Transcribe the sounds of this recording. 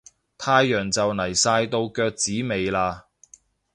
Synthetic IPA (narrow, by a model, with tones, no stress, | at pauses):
t̪ʰaː˧jːœː˨˩ŋt͡sɐ˨wnɐ˨˩jsaː˧jt̪o˧wkœː˧k̚t͡siː˨˥me˨jlaː˧